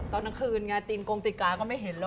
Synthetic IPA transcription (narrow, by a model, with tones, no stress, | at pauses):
t̪ɔː˧˩nːa˦˥ŋkʰɯː˧nŋa˧˥t̪iː˧nkoː˧ŋt̪i˨˩kaː˧kɔː˥˩ma˥˩jɦe˩˦nlː